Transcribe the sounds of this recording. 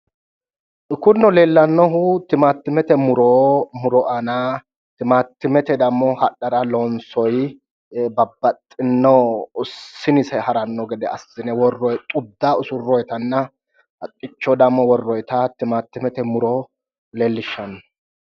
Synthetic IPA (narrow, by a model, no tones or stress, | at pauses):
kʊnːɔle̞ːlːɐnːɔɦʊt̪ɪmaːt̪ːɪmɛt̪ɛmʊɾoːmʊɾɔʔana | t̪ɪmaːt̪ːɪmɛt̪ɛd̪ɐmːɔhɐᶑɐɾɐlɔnsɔj | bɐbːɐt̪ʼːɪnːɔː | ɪnɪsɛhɐɾɐnːɔɡɛd̪ɛɐsɪnɛwɔrːɔjt̪ʼʊd̪ːaʊsʊrːɔjt̪ɐnːɐ | ɐt̪ʼːɪt͡ʃːɔd̪ɐmːɔwɔrːɔjt̪ɐt̪ɪmaːt̪ːɪmɛt̪ɛmʊɾɔ | le̞ːlːɪʃːɐnːɔ